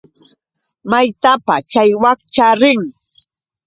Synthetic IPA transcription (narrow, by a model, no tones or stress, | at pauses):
majt̪apat͡ʃajwakt͡ʃaɾɪŋ